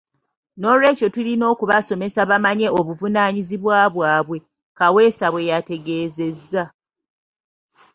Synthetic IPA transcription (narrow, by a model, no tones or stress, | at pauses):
no̞ːlwe̞ːco̞tulino̞ːkuβaso̞me̞saβamaɲe̞oβuvunaːɲiziβwaːβwaːβwe̞ | kawe̞ːsaβwe̞jate̞ɡe̞ːze̞zːa